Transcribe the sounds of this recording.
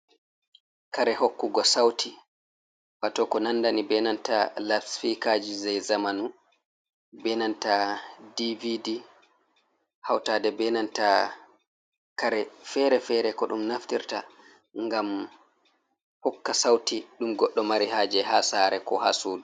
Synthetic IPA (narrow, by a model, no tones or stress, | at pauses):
kaɾɛhokːuɡɔsawtʰi | watɔkɔnandanibɛnantalatfikad͡ʒizɛjzamanu | bɛnantadividi | hawtaːdɛbɛnanta | kaɾɛfɛɾɛfɛɾɛkɔɗumnaftiɾta̰ | ŋɡam | hɔkːasawtiɗumɡɔɗːɔmaɾihaːd͡ʒɛɦasaːɾɛkɔ̰ha̰ːsuːdu